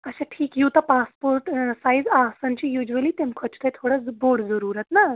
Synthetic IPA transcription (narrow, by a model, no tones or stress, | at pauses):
əɕaʈʰiːkjuwt̪apaspoɾʈsajd͡zasaɲt͡ɕijud͡ʑuəliːt̪emkʰət͡ɕt̪ajt̪ʰoɽəboɽd͡zəɾuɾat̪na